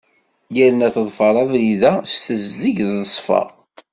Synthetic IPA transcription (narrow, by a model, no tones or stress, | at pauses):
jælənæθəðˤfəɾˤɑðliðæst̪əzːiʝðəsˤfɑ̰ʁ